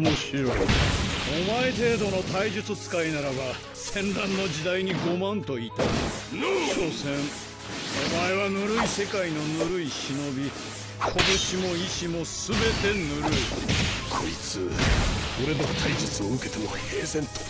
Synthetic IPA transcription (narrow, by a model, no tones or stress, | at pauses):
moɕiɾo̞iomae̞t̪̬e̞ːd̪o̞not̪aiʑɨt͡sɨt͡sɨ̥kainaɾaba | sẽ̞nɾãnːo̞d͡ʑid̪aiɲ̟iɡo̞mãnt̪o̞iːt̪a | nɯɕosẽ̞ɴ | omaeβanɯɾɯise̞kaino̞nɯɾɯiɕino̞bʲi | kʰo̞t̪o̞ɕimo̞iɕimo̞sɨbe̞t̪e̞nɯɾɯikʰoit͡sɨ | oɾe̞d̪ot̪ʰaid͡ʑɨt͡sɨoɯke̞̥t̪e̞mohe̞ːsẽ̞nt̪o